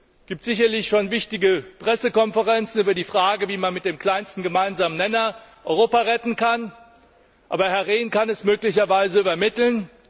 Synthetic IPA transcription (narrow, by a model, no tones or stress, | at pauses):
ɡ̥iːp̚tz̥ɪçɐlɪçʃoːnvɪçtɪɡəpʁ̥ɛsəkɔnfəʁɛnt͡sn̩yːbɐdiːfʁ̥aːɡəviːmanmɪt̚d̥eːmkl̥aɪnstn̩ɡəmaɪnzaːmənɛnɐʔɔʏʁoːpaʁɛtn̩kʰan | ʔaːbɐhɛɐʁeːnkanɛsmøːklɪçɐvaɪzəyːbɐmɪtl̩n